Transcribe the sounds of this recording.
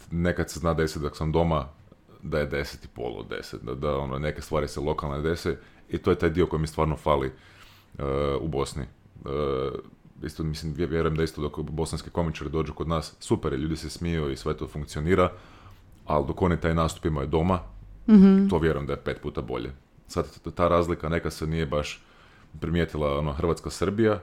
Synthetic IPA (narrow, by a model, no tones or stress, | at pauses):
ne̞kad̪seznaːd̪aisit̪d̪oksamd̪o̞ma | d̪aje̞d̪e̞set̪i̥po̰lˠo̰d̪ḛset̪d̪a̰d̪ao̞nonekest̪ʋaːɾiselˠo̞kalˠned̪e̞seit̪ojet̪aːjd̪io̞ko̞jimist̪ʋaːɾnofaːli | ubo̞snḭ | ə | ḭst̪omisimʋjʋjeɾujemd̪aist̪od̪okbo̞sanski̥ko̞mit͡ʃaɾid̪oːd͡ʒukod̪naːsːupeɾjeʎuːd̪isesmijoisʋet̪ofuŋkt̪sio̞niːɾa | a̰ld̪o̞ko̞nit̪aːjnaːst̪u̥pimajod̪o̞ma | t̪o̞ʋje̞ɾujemd̪ajepe̞ːt̪̚puːt̪abo̞̰ʎḛ | sad̪t̪aːɾaːzlikanekad̪senije̞baʃ | pɾimjeːt̪ilˠaonoxɾr̩ʋat̪skasr̩bija